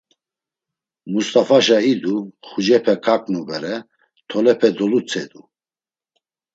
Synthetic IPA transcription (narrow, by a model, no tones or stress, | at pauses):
must̪ʼafaʃaid̪uχud͡ʒɛpʰɛkʰʼakʼnubɛɾɛ | t̪ʰɔlɛpʰɛd̪ɔlut͡sʰɛd̪u